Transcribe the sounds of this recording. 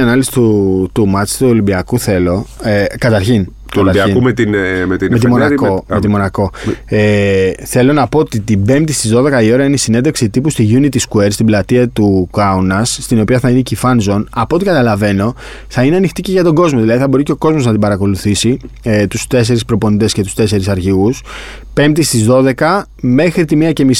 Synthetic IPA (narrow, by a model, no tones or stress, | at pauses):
ɐnɐlisi̥t̪ut̪umɐst̪uo̞libiɐkuθe̞lo̞ekɐt̪ɐɾçin | k̪ɐlɐɾɐinumet̪inmet̪imet̪monɐomt̪imo̞nɐko̞eθe̞lo̞nɐpo̞ot̪it̪ibe̞mt̪ist̪izðo̞ðe̞kɐio̞ɾɐineisine̞nd̪eksit̪ipust̪iʝunit̪iskue̞ɾst̪iblɐt̪iɐt̪ukɐunɐsːt̪ino̞piɐθɐinecifɐnzo̞nɐpot̪ikɐt̪ɐlɐve̞no̞ | θɐineɐnixt̪iceʝɐt̪o̞ɡo̞zmo̞ðilɐðiθɐbo̞ɾice̞o̞ko̞zmo̞znɐt̪̬ibɐɾɐko̞luθisi | et̪ust̪e̞s̬e̞ɾispɾo̞po̞nit̪e̞sce̞t̪u̥st̪e̞se̞ɾisɐɾçius | pe̞mt̪ist̪izðo̞ðe̞kɐ | me̞xɾit̪imiɐce̞mis